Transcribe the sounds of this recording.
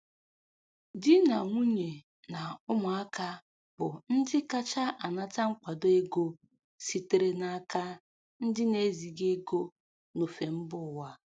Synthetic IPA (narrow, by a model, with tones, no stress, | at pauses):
di˦na˨ŋʷu˦ɲe˨ | na˨ʊ˦mʊ˨a˦ka˦ | bʊ˨n̩˦dɪ˦ka˦t͡ʃa˦ʔa˨na˦ta˦ŋ͡m̩˦k͡pʷa˨do˦e˦ɡo˦ | si˨te˨ɾe˦na˨a˨ka˦ | n̩˦dɪ˦ne˨˦zi˨ɡe˦ɡo˦ | no˨fe˨m̩˦bʊ˦˨wa˦